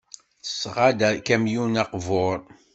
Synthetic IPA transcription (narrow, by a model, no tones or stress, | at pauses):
sːʁad̪ækæmjunæqvʊɾˤ